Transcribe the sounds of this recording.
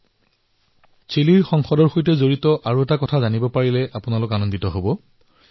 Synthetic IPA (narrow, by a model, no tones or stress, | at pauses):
t͡ʃeliɹxɔŋxɔdɔɹxojtɛzoɹitɔʔaɹuɛtakɔtʰazanibɔpaɹilɛʔapʊnalʊkanɔnditɔɦobɔ